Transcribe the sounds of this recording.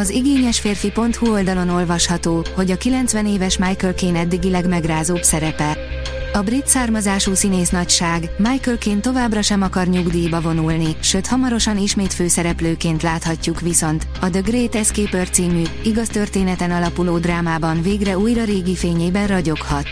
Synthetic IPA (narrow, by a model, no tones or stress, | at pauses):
ɒziɡeːɲɛʃfeːrfipo̞nt̪huo̞ld̪ɒlo̞no̞lvɒʃhɒt̪oːho̞ɟɒkilɛnt̪sʋɛneːvɛʃmaːjkølkeːnɛd̪ːiɡilɛɡmɛɡraːzoːpsɛɾɛpɛ | ɒbrit̪saːrmɒzaːʃusineːsnɒcʃaːɡmajkølkeːnt̪o̞vaːbrɒʃɛmɒkɒrɲuɡd̪iːbɒvo̞nulniʃøːt̪hɒmɒɾo̞ʃɒniʃmeːt̪føːsɛɾɛpløːkeːnt̪laːt̪hɒcːukʋiso̞nt̪ | ɒd̪øɡreːt̪ɛskeːpørt̪siːmy | iɡɒst̪ø̞rt̪eːnɛt̪ɛnɒlɒpuloːd̪raːmaːbɒnveːɡrɛujrɒɾeːɡifeːɲeːbɛnrɒɟo̞khɒt̪